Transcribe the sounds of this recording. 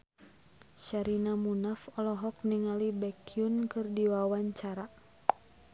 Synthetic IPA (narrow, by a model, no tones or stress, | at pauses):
ʃaɾinamunafɔlɔɦɔk̚niŋalibɛkiunkɨrdiwawaɲt͡ʃaɾa